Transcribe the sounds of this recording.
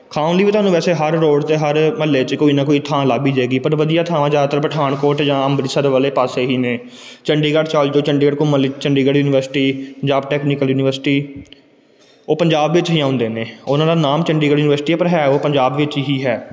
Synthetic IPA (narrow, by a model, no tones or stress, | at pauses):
kʰaːʊ̃nliːʋiːt̪ʰwaːnũːʋɛːseːɦəɾːoːɖt̪eːɦəɾməlːeːt͡ʃkoːiːnãːkoːit̪ʰãːlaːɡiːd͡ʒaːɡiːpəɾʋəd̪ijaːt̪ʰaːʋãːd͡ʒaːt̪əɾpəʈʰaːɳkoːɾʈd͡ʒãːəmbɾɪsəɾʋəːleːpaːseːɦiːneː | t͡ʃəɳɖiːɡəɖt͡ʃaːld͡ʒoːt͡ʃəɳɖiːɡəɖkoməlit͡ʃəɳɖiːɡəɖjuːnɪʋəɾsʈiːpəɲd͡ʒaːbʈɛːknɪkəljuːnɪʋəɾsɪ̥ʈiː | oːpəɲd͡ʒaːbʋɪt͡ʃɦiːãːʊ̃nd̪eːneːʊnãːd̪aːnaːmt͡ʃəɳɖiːɡəɖjuːnɪʋəɾsʈiːapəɾɦɛːoːpəɲd͡ʒaːbʋɪt͡ʃɦiːɦɛː